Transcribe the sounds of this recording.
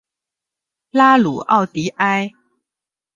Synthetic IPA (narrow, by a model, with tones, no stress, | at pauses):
la˦lu˨˩ʔɑ˥˨ʊt̪i˨˦ʔa˦j